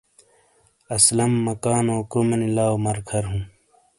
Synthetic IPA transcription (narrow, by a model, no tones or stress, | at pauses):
ɐslɐmːɐkaːnoːkomenilaːwmɐɾkʰɐɾɦũː